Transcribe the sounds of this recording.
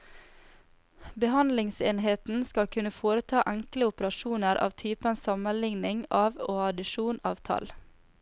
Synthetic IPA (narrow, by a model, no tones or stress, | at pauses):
bəhɑnd̪lɪŋseːnɦeːt̪n̩skɑlkʰʉnəfoːɾət̪ʰɑːʔæŋkləʊpəɾɑʃuːnəɾʔɑ̰ːʋt̪ʰyːpənsɑmənlɪŋnɪŋɑːʋoːɑd̪ɪʃuːnɑ̰ːʋt̪ʰɑ̰l